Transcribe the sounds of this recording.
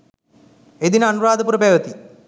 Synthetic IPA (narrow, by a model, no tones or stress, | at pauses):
ed̪inɐnuɾaːd̪ɐp̬uɾɐbeːʋɐt̪i